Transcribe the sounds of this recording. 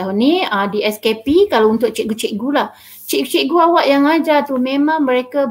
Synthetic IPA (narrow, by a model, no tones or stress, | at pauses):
auniadiɛskepikalaunt̪ʊʔ̚t͡ʃɛʔɡut͡ʃiʔɡulah | t͡ʃiʔɡt͡ʃiʔɡuawaʔjaŋad͡ʒat̪umẽmãŋmə̃ɾeka